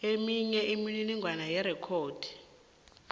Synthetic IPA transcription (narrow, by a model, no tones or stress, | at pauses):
emiɲɛʔemininiŋɡʱwanajɛɾɛkʰoːd̥ʱi̥